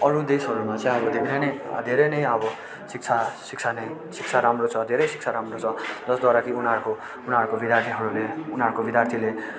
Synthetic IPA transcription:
ʌɾud̪esʌɾumat͡sʌ̃j̃ʌbʌd̪ʱeɾejnʌjd̪ʱeɾʌjnʌjʌbʌ | sik̚t͡sʰasik̚t͡sʰanʌjsik̚t͡sʰaɾamrot͡sʰʌd̪ʱeɾʌjsi̥k̚t͡sʰaɾamrot͡sʰʌd͡zʌsd̪waɾakiunʌɾko | unʌɾukobid̪jart̪ʰiɦʌɾuleunɦʌɾukobid̪jart̪ʰile

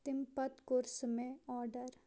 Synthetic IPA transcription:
t̪ɪmpɐt̪koːɾsmẽɔːɾɖəɾ

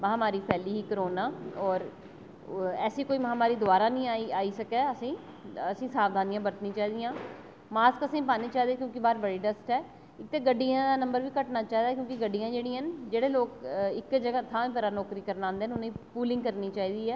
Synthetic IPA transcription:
məɦãːmaːɾiːpʰɛːliːɦiːkəɾoːnaːɔːɾ | ɛːsiːkoːiːməɦãːmaːɾiːd̪ʊaːɾaːnĩːaiaːiːsəkɛːəsĩː | əsĩːsaːʋd̪ʱaːnijãːbəɾt̪nĩːt͡ʃaːɦiːd̪ɪjãː | maːskəsĩːpaːneːt͡ʃaːɦid̪eːkjõːkibaːɾbəɽiːɖəsʈɦɛː | ɪk̚t̪eːɡəɖːijãːd̪aːnəmbəɾʋiːkəʈnaːt͡ʃaːɦiːd̪aːkjõːkɪɡəɖːijãːd͡ʒeːɽiːənd͡ʒeːɽeːloːkɪkd͡ʒəɡaːt̪ʰãːĩːp̬ːɾaːnɔːkɾiːkəɾnãːnd̪eːnʊnĩːpuːlɪ̃ŋɡkəɾniːt͡ʃaːɦiːd̪iːɛː

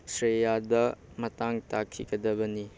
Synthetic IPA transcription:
sɾejadɐ | mɐtaŋtakʰːḭɡɐdɐbɐni

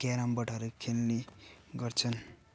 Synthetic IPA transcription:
keɾambʌʈʰʌɾukʰelniɡʌrt͡sʰʌn

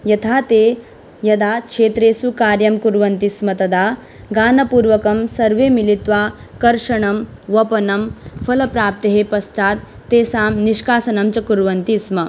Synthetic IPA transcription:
jɐt̪ʰaːt̪eː | jɐd̪aːkʂeːt̪ɾeːsukaːɾjɐmkuɾʋɐnt̪ismɐt̪ɐd̪aː | ɡaːnɐpuːɾʋɐkɐmsɐɾʋeːmilit̪ʋaː | kɐɾʂɐɳɐmʋɐpɐnɐmfɐlɐpɾaːp̚t̪ɐɦepɐst̪aːt̪ːeːsaːmniʃkaːsɐnɐmt͡ʃɐkuɾʋɐnt̪ismɐ

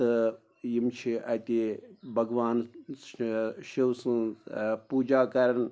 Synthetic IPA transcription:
ɨ | jimt͡ʃʰiʔɐt̪ibʱɐɡʋaːn | ʃiwsɨ̃puːd͡ʒaːkɐɾɐn

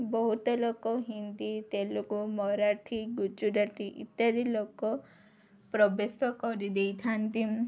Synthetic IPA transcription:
bɔɦut̪ɔlokɔɦind̪it̪elokumɔɾaɾʈʰiɡud͡ʒuɖaʈʰiʔḭt̪ːjad̪ilokɔ | pɾɔbesɔkɔɾid̪ejt̪ʰant̪im

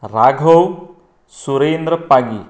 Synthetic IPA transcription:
ɾaɡʱow | suɾeːnd̪ɾəpaɡi

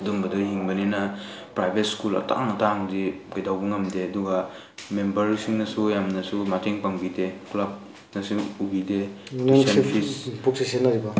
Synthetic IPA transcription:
dumbɐdɔɦiŋbɐninɐpɾajbet̚skulɐ̰ta̰ŋataŋdiɡajdawbɐŋɐmdeɐduɡa | membɐɾisiŋnɐsujamnɐsumatiŋpaŋbideklap̚ | nɐsuubidenaŋsenpʰispuk̚sisenːaɾiba

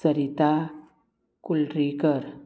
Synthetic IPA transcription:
səɾit̪a | kulʈɾikəɾ

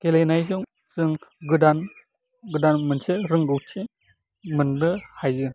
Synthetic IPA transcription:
kelejnajs̬ɯŋ | sɯŋɡɯdan | ɡɯdanmɯnseɾɯŋɡɯwt͡ʃʰi | mɯndɯhajɡɯ

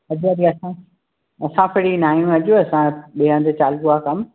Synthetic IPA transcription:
ɐd͡ʑuɐd̪iɐsã | ɐsãfɪɽinaːijũɐʄuɐsãɓiɦə̃nd̪t͡ɕaːlɡuakɐm

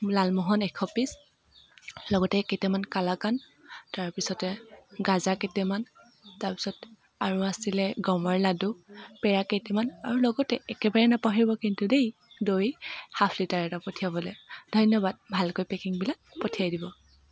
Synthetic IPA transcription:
lalmɔɦɔnɛkʰɔpis | lɔɡɔtɛketamankalakan | taɹpisɔtɛɡazaketɛman | taɹpi̥sɔt | aɹuasilɛɡɔmɔɹladupɛɹaketɛmanaɹulɔɡɔtɛɛkɛbaɹɛnapaɦiɹbɔkintudej | dojhapʰlitaɹɛtapɔtʰijabɔlejdʱɔjnjɔbad̚bʱalkojpɛkiŋbilak̚potʰijajdibɔ

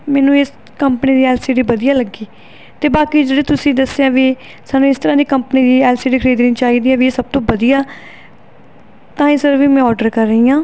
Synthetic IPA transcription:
mɛːnũːɪs | kəmpəniːd̪iːɛːlseːɖiːbəd̪ijaːləɡiː | t̪eːbaːkiːd͡ʒeːɽeːt̪ʊsĩːd̪əsejaːʋiː | saːnːũːɪst̪əɾãːd̪iːkəmpəniːd̪iːɛːlseːɖiːkʰəɾiːd̪ɾĩːt͡ʃaːiːd̪iːɛːʋieːsəb̚t̪õːbəd̪ijaː | t̪ãːĩːsəɾʋiːmɛ̃ːɔːɾɖəɾkəɾːəɦiːãː

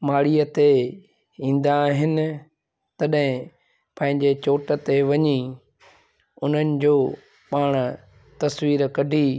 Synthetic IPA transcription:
maːɽijət̪e | ĩːn̆d̪aːɦɪnɪ̆ | t̪ɐɗɦɪ̃ | pɐ̃ɦɪ̃ɲd͡ʑet͡ɕoːʈə̆t̪eʋɐɲi | ʊn̤ənɪ̆d͡ʑoː | paːɽ̃ | t̪ɐsʋiːɾkɐɖʱiː

